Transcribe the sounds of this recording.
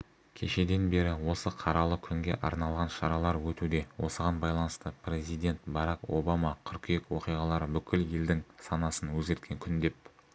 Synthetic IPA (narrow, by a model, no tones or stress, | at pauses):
kʲʰe̞ʃe̞d̪e̞nbe̞ɾɪwo̞səqʰɑɾɑlˠəkʲʰʏŋɡʲe̞̰ʔɑɾnɑlˠʁɑnʃɑɾɑlˠɑɾwɵt̪ud̪e̞wo̞̰səʁɑnbɑjlˠɑnəst̪əpɾe̞zijd̪ʲe̞nt̪bɑɾako̞bamɑqʰʏɾkʲʰjekʲwo̞qijʁɑlˠɑɾəbʏkʲɪlje̞ld̪ɪŋsɑnɑsənwɵzɡʲe̞ɾt̪̚kʲe̞ŋkʲʰʏnd̪e̞p̚